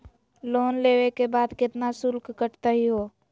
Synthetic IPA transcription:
loːnleːʋekebaːd̪kɪt̪nasʊlkkəʈt̪aɦiɦoː

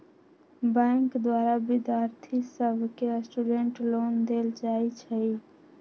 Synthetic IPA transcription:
bãŋkd̪waɾabid̪jaɾt̪ʰisəbʱkesʈuɖeɳʈlond̪eld͡ʒajt͡ʃʰəj

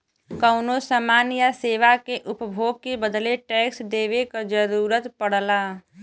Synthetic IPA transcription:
kəʊnosəmaːnjaseːʋakeʔʊpbʱoːɡ̚kebəd̪leʈɛːksd̪eːʋekad͡ʒəɾuːɾət̪pəɽ̤laː

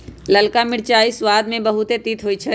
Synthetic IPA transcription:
ləlkamɪɽt͡ʃaːiswaːd̪mẽbɐɦʊt̪et̪it̪ʰɦoːit͡ʃʰɛ

